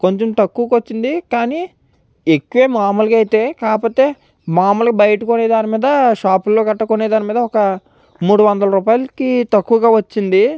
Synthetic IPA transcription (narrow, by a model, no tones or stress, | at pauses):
ko̞ɲt͡ʃomt̪ɐkːuːkʋɐt͡ʃːind̪ikaːni | ekːuʋe̞ːmaːmulɐkɐjt̪e̞ːkaːpo̞ːt̪e̞ː | maːmulɐkibɐjɐʈɐkoneːd̪aːnimiːd̪ɐʃaːpulːo̞ːkɐʈːɐkoneːd̪aːnimiːd̪ɐɔkɐ | muːɽuʋɐnd̪ɐlɐɾuːpaːjɐlɐkit̪ɐkːuʋɡaːʋɐt͡ʃːind̪i